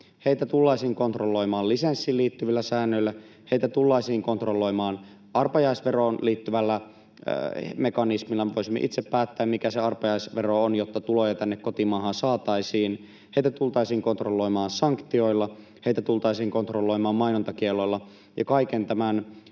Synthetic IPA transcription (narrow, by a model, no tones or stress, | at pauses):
heit̪æt̪ulːɑisiːŋko̞nt̪rolːoimɑːllisensːiːlliːt̪ːyʋilːæsæːnːøilːæ | heit̪æt̪ulːɑisiːŋkont̪rolːoimɑːn | ʔɑrpɑjɑisʋeroːnliːt̪ːyʋælːæ̰ | mekɑnismilːɑmʋoisimːḛʔḭt̪seppæːt̪ːæːmmikæseɑrpɑjɑisʋeroonjot̪ːɑt̪ulojɑt̪ænːekkot̪imɑːhɑnsɑːt̪ɑisiːn | hejt̪æt̪ult̪ɑisiːŋkont̪rolːoimɑːnsɑŋkt̪io̞ilːɑ | heit̪æt̪ult̪ɑisiːŋkont̪rolːoimɑːmmɑinont̪ɑkielːoilːɑ | jɑ̰kɑikent̪æmæn